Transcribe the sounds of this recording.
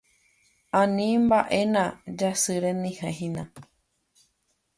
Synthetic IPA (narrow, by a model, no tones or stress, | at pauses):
ãnĩmbaʔenãd͡ʒasɨɾenĩhẽɦĩnã